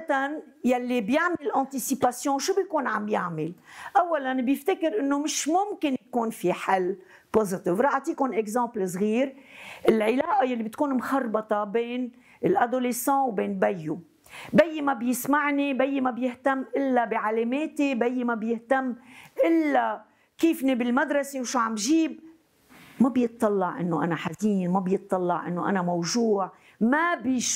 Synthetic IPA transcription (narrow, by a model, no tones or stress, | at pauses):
at̪an | jalːibjɪʕmɪlɪlʔɑ̃ːt̪isipasjõːʃuːbjkuːnʕamjaʕmɪlʔawːalanbjɪft̪ɪkɪɾʔɪnːomɪʃmʊmkɪnjkuːnfiħalː | pozɪt̪ɪvɾˤɑːʕt̪iːkʊnʔɛkzɑ̃ːpls̬ˤɣiːɾʔɪlʕɪlaːʔajalːibɪt̪kuːnmxɑrˤbɑt̪ˤɑbeːn | ɪlʔad̪oːlesɑ̃ːwbeːnbajːu | bajːmabjɪsmaʕnibajːmabjɪht̪amːʔɪlːabiʕalameːt̪ibajːmabjɪht̪amːʔɪlːa | kiːfnibɪlmad̪ɾˤɑsewʃuʕamʒiːb̚ | mabjɨt̪ˤːɑlːɑʕʔɪ̰nːoʔa̰naħaziːnmabjɨt̪ˤːɑlːɑʕʔɪ̰nːoʔa̰namawʒuːʕ | mabi